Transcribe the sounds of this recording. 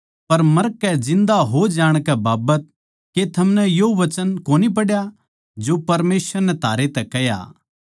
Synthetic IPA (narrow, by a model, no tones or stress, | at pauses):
pɐɾmɐɾkːɛd͡ʒɪ̃nd̪aɦod͡ʒaːɽ̃kɛbaːbət̪̚ | ket̪ʰɐmnɛjoʋɐt͡ʃənkoːnip̬ɐɽja | d͡ʒopɐɾmeːsəɾnɛ̃t̪ʰaːɾet̪ɛkɛɦja̰ː